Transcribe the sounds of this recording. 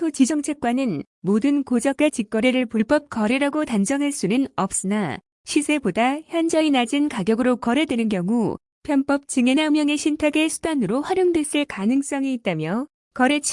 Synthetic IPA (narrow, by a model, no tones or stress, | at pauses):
tʰot͡ɕid͡ʑʌŋt͡ɕʰe̞k̚k͈wanɯn | modɯnkod͡ʑʌk͈̚at͡ɕik͈ʌɾeɾɯɭpoɭp͈ʌp̚k͈ʌɾiɾaɡotand͡ʑʌŋɦaɭs͈unɯnʌp̚s͈ɯna | ɕʰisʰe̞bodaçjʌnd͡ʑʌinad͡ʑinkaɡjʌɡɯɾokʌɾe̞dwe̞nɯnkjʌŋu | pʰjʌmp͈ʌp̚t͡ɕɯŋenamjʌŋe̞ɕʰintʰaɡe̞sʰu̥danɯɾoɸwaɾjoŋdwes͈ɯɭkanɯŋs͈ʌŋiːt̚t͈amjʌ | kʌɾe̞t͡ɕʰ